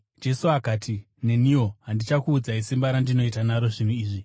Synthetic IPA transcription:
d͡ʒe̞suakaːtʰi | ne̞nio̞ɦandit͡ʃakuːd͡zaisimbaɾandino̞itanaɾo̞ʐinuiːʐi

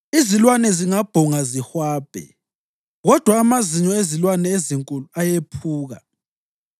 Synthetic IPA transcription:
izilwanɛziŋab̥ʱɔŋazihwaːb̥ʱɛ̰ | ɣɔd̥ʱwaːmaziɲɔezilwanɛeziŋkʼuluajepʰuːɣa̰

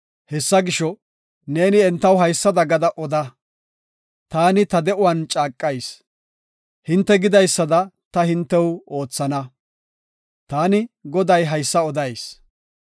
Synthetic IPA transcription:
hɛsːɐɡɪʃɔ | ne̞ːnɪɛnt̪ːɐwɦɐjsːɐd̪ɐɡɐd̪ɐʔɔd̪ɐ | t̪aːnɪt̪ɐd̪ɛʔʊwɐnt͡ʃʼaːkʼːɐjs | hɪnt̪ːɛɡɪd̪ɐjsːɐd̪ɐt̪ɐhɪnt̪ːɛwo̞ːt͡sːɐnɐ | t̪aːnɪɡɔd̪ɐjɦɐjsːɐɔd̪ɐjs

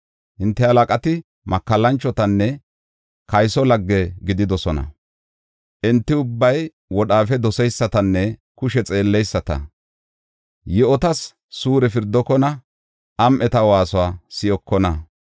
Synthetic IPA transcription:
hɪnt̪ːɛhɐlakʼɐt̪ɪ | mɐkːɐlːɐnt͡ʃːɔt̪ɐnːɛ | kɐjsɔlɐɡːɛɡɪd̪ɪd̪ɔsɔnɐ̰ | ʔɪnt̪ːɪʊbːɐj | wɔɗaːfɛd̪ɔsɛjsːɐt̪ɐnːɛ | kʊʃɛt͡sʼe̞ːlːɛjsːɐt̪ɐ̰ | jɛɔt̪ɐsː | uːɾɛfɪɾd̪ːɔkɔnɐ | ʔɐmʔɛt̪ɐwaːsɔwaːsɪjɔkːɔnɐ

